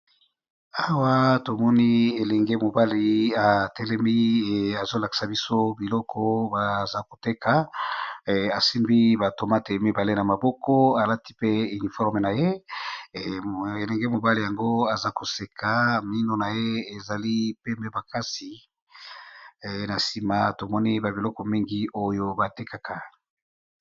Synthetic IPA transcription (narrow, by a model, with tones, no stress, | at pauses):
a˨wa˦to˨mɔ˦ni˦e˨lɛ˨ŋɡe˦mo˨ba˦li˨a˨tɛ˦lɛ˦mi˦˨a˨zo˦la˨ki̥˨sa˨bi˦so˦bi˨lɔ˦kʰɔ˦ba˨za˦ko˨te˦kʰa˨ | a˨si˦mbi˦ba˨to˨ma˦te˨˦mi˦ba˨le˦na˨ma˨bɔ˦kɔ˦a˨la˦ti̥˦pe˦y˨ni˨fɔ˦ʁme˨na˨je˦ | e˨lɛ˨ŋɡe˦mo˨ba˦le˨ja˨ŋɡo˦a˨za˦ko˨se˨kʰa˨mi˦no˨na˨je˦e˨za˨li˦pe˦mbe˦ba˨ka˦si˨ | na˨si˦ma˦to˨mɔ˦ni˦ba˨bi˨lɔ˦kɔ˨mi˦ŋɡi˦o˦jo˦ba˨te˦ka˨kʰa˨